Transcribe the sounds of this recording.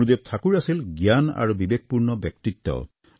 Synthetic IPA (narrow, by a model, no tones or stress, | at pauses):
ud̪ep̚t̪ʰakuɾasilɡjana̰ɾbibek̚puɾnɔbɛk̚t̪it̪ːɔ̰